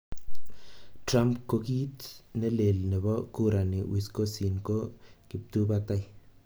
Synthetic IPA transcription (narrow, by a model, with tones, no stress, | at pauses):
tɾa˦mpko˧ki˦t̪ne˦le˨lne˨bo˦ku˦ɾa˨ni˨wʔi˨sko˦si˨nko˦kɪ˨p̚t̪u˦bat̪a˦j